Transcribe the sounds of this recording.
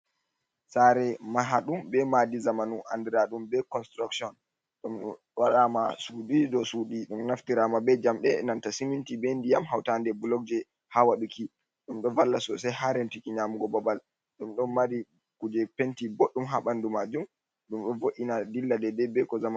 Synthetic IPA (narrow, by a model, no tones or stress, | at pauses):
saɾɛmaɦaɗumbɛmadizamanuʔandɛɾaɗumbɛkɔnstɾaksɔn | ɗum | waɗama̰sudidɔsudiɗumnaftiɾamabɛd͡ʒamɗɛnantasimintibɛndijamɦawtandɛbulɔk̚d͡ʒɛ | hawaɗuki | ɗumɗɔvalːasɔsɛjhaɾentikiɲamuɡɔbabal | ɗumɗɔnmaɾi | kud͡ʒɛpentiboɗːumɦaɓandumad͡ʒum | ɗumɗɔnvoʔinadilːadɛdɛbɛkɔzama